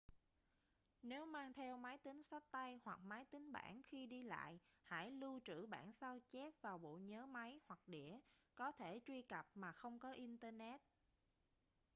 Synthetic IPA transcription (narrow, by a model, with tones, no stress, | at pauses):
ne˨˦wmaː˧ŋt̪ʰɛ˧wma˨˦jt̪ï˨˦ŋ̟sa˦˥t̚t̪a˧jhwa˨˩k̚maː˨˦jt̪ï˨˦ŋ̟ɓa̰ː˧˩nxi˧ɗi˧la̰ː˧˨jha̰˧˥jlu˧t͡ɕɨ̰˧˩ɓa̰ː˧˩nsa˧wt͡ɕɛ˦˥p̚vaː˨˩wɓo̰˧˨ɲəː˨˦ma˨˦jhwa˨˩k̚ɗḭ˧˩əkɔ˨˦t̪ʰe˧˩t͡ɕwi˧ka˨˩p̚maː˨˩xə˧wŋ͡mkɔ˨˦ʔi˧nt̪əː˧nɛ˦˥t̚